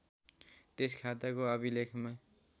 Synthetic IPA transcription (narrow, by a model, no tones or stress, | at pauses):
t̪eskʰat̪akoʌbilekʰma